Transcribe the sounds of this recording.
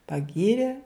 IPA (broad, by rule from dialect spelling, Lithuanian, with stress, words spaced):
pɐˈɡʲiːrʲeː